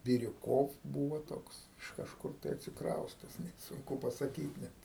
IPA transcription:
bʲɪrʲʊˈkoːw ˈbuːʋoː ˈtoːks ɪʃ ˈkɑːʃkʊr tɐɪ ɐtʲsʲɪkrɐʊsʲtʲɛs nʲɛt ˈsʊŋkʊ pɐsɐˈkʲiːt nʲɛt

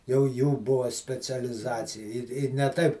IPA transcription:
jɛʊ ˈjuː ˈbʊɐ sʲpʲɛt͡sʲɛlʲɪˈzɑːt͡sʲɪjɛ ˈɪr ˈɪr nʲɛ ˈtɐɪp

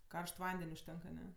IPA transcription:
ˈkɐrʃt ˈʋɐnʲdʲɛnʲ ʊʃʲˈtʲɛŋk ɐˈnʲɛ

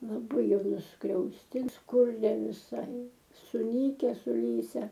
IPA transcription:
lˠɐˈbɐɪ ˈjɛʊ nʊskrʲɛʊsʲˈtʲiɛms ˈkʊrʲˈiɛ ʋʲɪˈsɐɪ sʊˈnʲiːkʲɛ sʊˈlʲiːsʲɛ

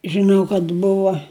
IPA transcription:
ʒʲɪˈnɐʊ kɐt ˈbʊʋɐ

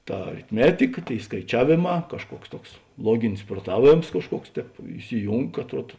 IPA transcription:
ˈtɐ ɐrʲɪtʲˈmʲæːtʲɪkɐ ˈtʲeːɪ skɐɪˈt͡ʃʲæːʋʲeːˌmɑː kɐʃˈkuɔks ˈtuɔks ˈlˠuɔɡʲɪnʲɪs pruɔˈtɑːˌʋʲeːms kɐʃˈkuɔks ˈtʲɛːp ɪsʲɪˈjuːŋk ɐtˈruɔt

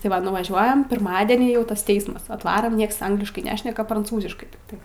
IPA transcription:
tɐɪ ˈʋɐ nʊʋɐˈʒʲuɔjɛm pʲɪrˈmɑːdʲɛnʲiː jɛʊ ˈtɐs ˈtʲɛɪsmɐs ɐtˈʋɑːrɐm ˈnʲiɛks ˈɐŋɡlʲɪʃkɐɪ ˈnʲæːʃʲnʲɛkɐ prɐnˈt͡suːzʲɪʃkɐɪ tʲɪkˈtɐɪ

